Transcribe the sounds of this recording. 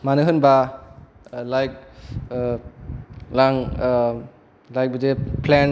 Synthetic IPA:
manɯɦɯnba | lajk̚ | laŋ | lajk̚bəd͡ʒeplɛn

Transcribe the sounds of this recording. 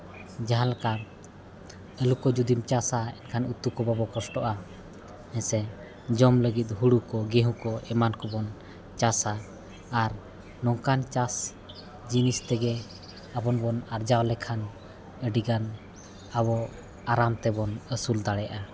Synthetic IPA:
d͡ʒaɦãlka | əlukɔd͡ʒud̪imt͡ʃasaɛ̰nkʰanut̪ukɔbabɔkɔsʈɔʔa | ɛsɛ | d͡ʒɔmləɡit̪̚ˀɦuɽukɔɡɛɦũkɔɛmankɔbɔn | t͡ʃasaː | ɾ | nɔŋkant͡ʃas | d͡ʒinist̪ɛɡɛ | abɔnbɔnaɾd͡ʒawlɛkʰan | əɖiɡan | abɔ | aɾamt̪ɛbɔnəsuld̪aɽɛjaʔa

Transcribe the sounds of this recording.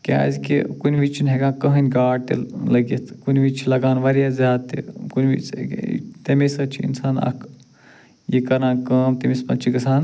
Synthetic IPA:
kʲa̰ːzʲkikunʲʋit͡ʃʰinɦeɡãːkɐɦɐnʲɡaːʈ̚t̪ḛlɐɡit̪ʰkunʲʋit͡ʃʰilɐɡaːnʋɐɾjaːzʲaːd̪t̪ḭkunʲʋḭt͡ʃ | t̪ɐmisɐt͡ʃʰiḭnsaːnɐ̰kʰ | jikɐɾãːkɐːmt̪emispɐnt͡ʃʰiɡɐsaːn

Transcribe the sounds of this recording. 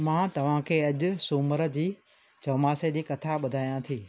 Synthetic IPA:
mãːt̪ɐʋ̤ãkʰeːɐʄʊ̆suːməɾə̆d͡ʑiː | t͡ɕɐːmaːsed͡ʑiːkɐt̪ʰaɓʊd̪ʱaːjãt̪ʰiː

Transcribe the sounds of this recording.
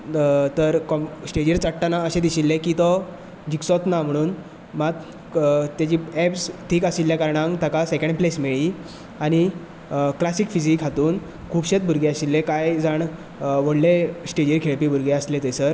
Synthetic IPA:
t̪əɾkɔsʈed͡ʑiɾt͡saʈʈanaəɕẽd̪iɕilːekiːt̪ɔ | d͡ʑiksɔt̪nam̤əɽ̃uːn | mat̪ | t̪jat͡ɕiːɛpsʈʰiːkaɕilːjakaɾɳãŋt̪akasekẽɳɖplesmeɭiː | añi | klasikfid͡ʑikɦat̪uːn | kʰuːbɕet̪̚bʱuɾɡeəɕilːekajd͡zaɳ | ʋəɽlesʈed͡ʑiɾkʰeɭpiːbʱuɾɡeəslet̪əjsəɾ

